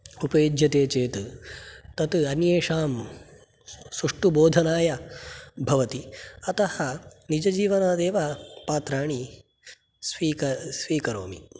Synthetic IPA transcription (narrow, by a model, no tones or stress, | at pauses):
upɐjid͡ʒjɐt̪eːt͡ʃeːt̪ | t̪ɐt̪ɐnjeːʃaːm | suʂʈuboːd̪ʱɐnaːjɐbʱɐʋɐt̪iɐt̪ɐhɐnid͡ʒɐd͡ʒiːʋɐnaːd̪eːʋapaːt̪ɾaːɳi | sʋiːkɐsʋiːkɐɾoːmḭ